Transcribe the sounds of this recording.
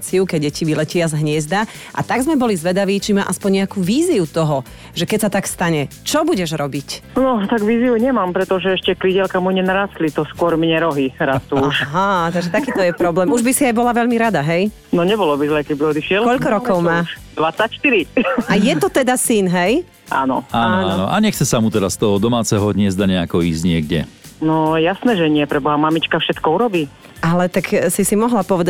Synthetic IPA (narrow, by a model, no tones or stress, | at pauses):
t͡siukɛɟɟɛciʋilɛcɪazɦɲɪɛzd̪a | ʔa̰t̪aɡzmɛbɔlizʋɛd̪aʋiːt͡ʃimaːʔaspɔɲɲɛakuːʋiːziut̪ɔɦɔ | ʒɛkɛcsat̪akst̪aɲɛt͡ʃɔbuɟɛʒɾɔbicnɔt̪aɡʋiːziuɲɛmaːmpɾɛt̪ɔʒɛɛʃcɛkliɟɛlkamuɲɛnaɾaːst̪lit̪ɔskʊɔɾmɲɛɾɔɦiɾast̪uuʃɦat̪aɡʒɛt̪akiːt̪ɔjɛpɾɔblɛːmuʒbisiajbɔlaʋɛʎmiɾad̪aɦɛj | nɔɲɛbɔlɔbizlɛːkɛbiɔd̪iʃɪɛlkɔʎkɔɾɔkɔʊmaːʃd̪ʋat͡sːacʃt̪iɾiajɛt̪ɔt̪ɛd̪asinɦɛj | ʔa̰ːnɔ̰aːnɔaaːnɔʔa̰ɲɛxt͡sɛsamut̪ɛɾast̪ɔɦɔd̪ɔmaːt͡sɛɦɔdɲɪɛzd̪aɲɛakɔiːzɟɲɪɛɡɟɛ̰nɔjasnɛːʒɛɲɪɛpɾɛbɔɦamamit͡ʃkafʃɛt̪kɔuɾɔbiː | ʔalɛt̪aksisimɔɦlapɔʋɛd̪a